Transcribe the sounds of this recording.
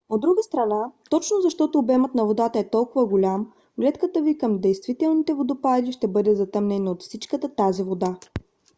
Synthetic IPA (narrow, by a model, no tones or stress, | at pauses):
od̪ːɾuɡəst̪ɾɐnat̪ɔt͡ʃnozɐʃt̪ɔt̪ʊːbɛmət̪nɐvod̪at̪əɛt̪ɔlˠkʊvəɡʊlʲam | ɡlɛt̪kət̪əvikəmd̪ɛjst̪vit̪ɛlˠnit̪ɛvod̪opalʲiʃt̪ɛbɤd̪ɛzɐt̪əmnɛnot̪fsit͡ʃkət̪ət̪azivod̪a